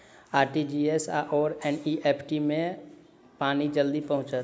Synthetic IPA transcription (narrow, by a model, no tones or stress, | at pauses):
aːɾʈid͡ʒiesaʔɔːɾɛniʔeːpʰʈimẽ | paːnid͡ʒəld̪ipəɦʊ̃t͡ʃət̪